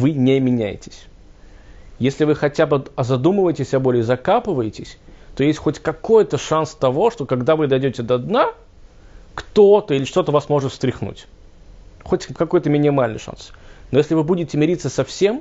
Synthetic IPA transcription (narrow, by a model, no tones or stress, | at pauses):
vɨnʲemʲɪnʲæjɪ̰tʲɪ̥sʲ | jesʲlʲɪvɨxɐtʲabɨɐzɐd̪umɨvəjɪtʲɪsʲɐbo̞lʲɪzɐkapɨvəjɪtʲɪsʲt̪ojesʲtʲxotʲkɐko̞jt̪əʂanst̪ɐvo̞ʂt̪o̞kɐɡd̪avɨd̪ɐjdʲotʲɪd̪əɐd̪na | kt̪ot̪əilʲɪʂt̪o̞t̪əvasmo̞ʐɨt̪fst̪ɾʲɪxnṵtʲ | xotʲkɐko̞jt̪əmʲɪnʲɪmalʲnɨ̰jʂa̰nsno̞jesʲlʲɪvɨbudʲɪtʲɪmʲɪɾʲit̪səsɐfsʲe̞m